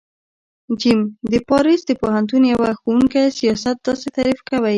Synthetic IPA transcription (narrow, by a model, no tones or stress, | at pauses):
d͡ʒimd̪əpɑɾisd̪əpohant̪̬unjawaxowuŋkasijɑsat̪̚d̪ɑset̪aɾifkawaj